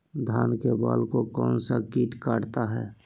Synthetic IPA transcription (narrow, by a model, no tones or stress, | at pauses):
d̪ʱaːnkeba̰ːlkokɔːnsakiːʈkaːɽt̪aɦɛː